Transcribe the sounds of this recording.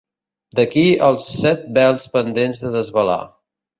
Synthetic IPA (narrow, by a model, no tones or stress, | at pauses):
d̪əkiəlˠsːɛt̪̚bɛlˠspənd̪enzðəðəzβəla̰